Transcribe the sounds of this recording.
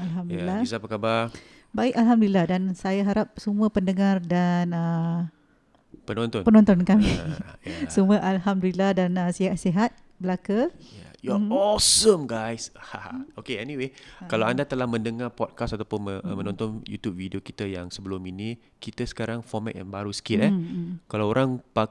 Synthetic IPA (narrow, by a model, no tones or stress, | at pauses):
alɦamdilːaisapəkabar | baɪkalɦamduilːahdansajaɦaɾap̚səmuəpəndəŋardanə | pənɔ̃nt̪ɔnpənɔ̃nt̪ɔnkami | səmuəʔalɦamdulilahdanəsiɦasiɦat̪̚ | bəlakaja̰jɔɔsəmɡajsha̰okeɛniwekalaandat̪əlahmə̃ndəŋarpɔt̪̚kasat̪awpʊnməmə̃nɔ̃nt̪ɔnjṵt̪jup̚vidiokit̪ajaŋsəbəluminĩ | kit̪asə̥kaɾaŋfɔrma̰t̪̚a̰nbaɾusə̥kɪt̪̚ɛkalawoɾaŋpa